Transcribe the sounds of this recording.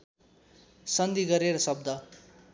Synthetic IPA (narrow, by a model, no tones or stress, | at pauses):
sʌnd̪iɡʌɾeɾʌsʌbd̪ʌ